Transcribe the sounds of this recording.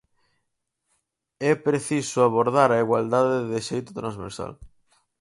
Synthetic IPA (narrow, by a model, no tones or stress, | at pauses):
ɛpɾeθisoaβ̞oɾð̞aɾaiɣwald̪aðeðeðeʃejt̪ot̪ɾãnzβḛɾsa̰l